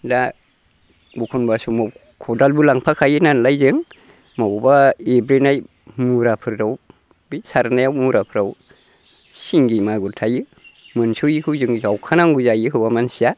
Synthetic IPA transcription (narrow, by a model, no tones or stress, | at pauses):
da | bukʰunbasumaw | kʰɔdalbɯlaŋpʰakʰajɯnanlajzɯŋ | mabubaebɾenaj | muɾapʰɯɾdaw | bisaɾnajawmuɾapʰɯɾaw | siŋɡimaɡuɾtʰajɯ | mɯnsujikʰɯwzɯŋzawkʰanaŋɡuzajɯkʰɯwamansija